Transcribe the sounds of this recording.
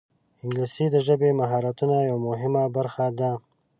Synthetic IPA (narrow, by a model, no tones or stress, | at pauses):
ɪŋɡlisid̪əʒəbemaɦɑɾat̪unajawmʊɦɪmabaɾxad̪a